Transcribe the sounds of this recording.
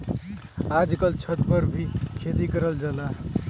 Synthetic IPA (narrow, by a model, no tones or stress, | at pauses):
ad͡ʒkəlt͡ʃʰət̪pəɾbʱikʰet̪ikəɾəld͡ʒala